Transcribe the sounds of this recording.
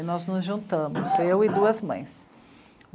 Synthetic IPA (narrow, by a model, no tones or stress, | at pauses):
nɔznʊzʒũnt̪ɐ̃mʊzewɪd̪uɐzmɐ̰̃j̃s